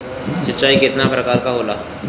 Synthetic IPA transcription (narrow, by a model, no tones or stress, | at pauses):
ʃɪtːt͡ʃaːikɪt̪napɾɐkaːɾkaɦoːlaː